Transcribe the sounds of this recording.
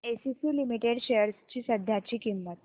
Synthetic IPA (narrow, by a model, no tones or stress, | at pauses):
esisiːlimiʈeɽɕejəɾst͡ɕiːsəd̪ʱjat͡ɕiːkimːət̪